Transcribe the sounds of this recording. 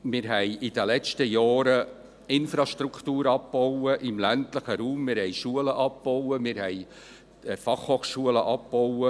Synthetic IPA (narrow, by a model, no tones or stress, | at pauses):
mɪːɾɦɛjʔɪd̥əlɛt͡ʃtəjɑːɾə | ɪnfɾɑʃtɾukʰtuːɾɑpb̥owəʔɪmlæntləχəɾuːmːɪɾhɛjʃuələʔɑp̚b̥ɔwəmɪːɾhɛj | fɑχhoːχʃuələʔɑpb̥owə